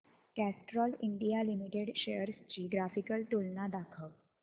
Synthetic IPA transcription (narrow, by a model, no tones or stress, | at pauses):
kæsʈɾɔliɳɖijalimiʈeɽɕejəɾst͡ɕiːɡɾafikəlt̪ulnad̪akʰək